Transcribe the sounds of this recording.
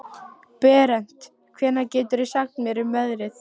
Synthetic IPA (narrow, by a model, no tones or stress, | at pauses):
pɛːɾɛn̥t̪ | kʰvɛːnacɛːt̪ʏɾɛsaxnmjɛɾimœðɾɪθ